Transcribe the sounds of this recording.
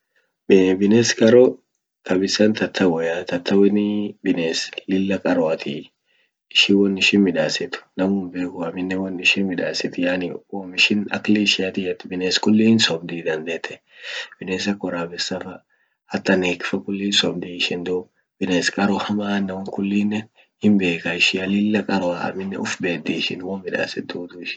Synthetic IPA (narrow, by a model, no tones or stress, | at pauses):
bɪneːskʼɐɾɔ | kɐbɪsɐnt̪ɐt̪ʰːɐwɔjat̪ɐt̪ʰːɐwɛnɪbɪneːslɪlːɐkʼɐɾɔɐt̪ʰḭ | ɪʃɪwɔnːɪʃɪnmɪᶑaːsɪt̪ʊ̥nɐmʊmbeːkʊɐmɪnːɛwɐnːɪʃɪnmɪᶑaːsɪt̪jaːnɪoːmɪʃɪnɐ̰kliʃɪɐt̪ɪjɛt̪ːbɪneːskʊlːiːnsɔbd̪iːd̪ɐnd̪eːt̪ːɛ̥ | b̥ɪneːs̬ɐkːɔɾaːbɛsɐfɐ | ɐt̪ːɐneːkɪ̥fɐkʊlːiːnsɔbd̪iːɪʃɪnd̪ɔ | b̥ɪneːskʼɐɾɔhɐmaːnːɐwɔŋkʊlːiːnːɛ | hɪmbe̞ːkɐɪʃɪɐlɪlːɐkʼɐɾɔaɐ̰mɪnːɛʊfbeːd̪iːʃɪnwɔmmɪᶑa̰ːsɛtd̪uːd̪ʊɪʃɪ̥